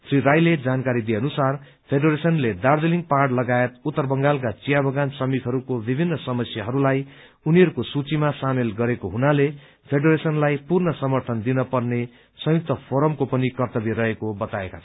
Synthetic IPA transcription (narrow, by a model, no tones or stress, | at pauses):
srirajled͡zankaɾid̪ijeʌnusar | pʰeɖʌɾesʌnled̪ard̪eliŋɡparʈlʌɡaet̪̚ut̪ːʌrbʌŋɡalk̬at͡sijabʱʌɡansʌmit̪ɦʌɾukobibʱinːʌsʌmʌsjaɦʌɾulaj | uniɦʌɾukosut͡simasamelɡʌɾekoɦunale | pʰeɖʌɾesʌnlajpurnʌsʌmʌrt̪ʰʌnd̪inʌpʌrne | sʌ̃juk̚t̪ʌpʰoɾʌmkopʌnikʌrt̪ʌbirʌɦekobʌt̪aekat͡sʰʌ